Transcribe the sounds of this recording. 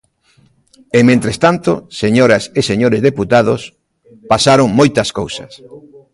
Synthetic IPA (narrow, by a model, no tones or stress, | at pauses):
emẽnt̪ɾest̪ant̪oseɲoɾɐseseɲoɾezðeput̪aðʊs | pasaɾoŋmojt̪ɐskowsɐ̰s